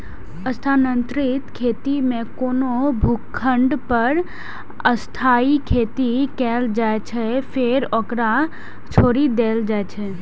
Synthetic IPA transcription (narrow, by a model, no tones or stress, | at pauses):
əst̪ʰaːnə̃nt̪ɾɪt̪kʰeːt̪imẽkoːnobʱukʰːə̃ɳɖpəɾ | əst̪ʰaːikʰeːt̪ikɛːld͡ʒaːet͡ʃʰɛpʰeɾɔkɾa | t͡ʃʰoːɾid̪eːld͡ʒaːet͡ʃʰɛ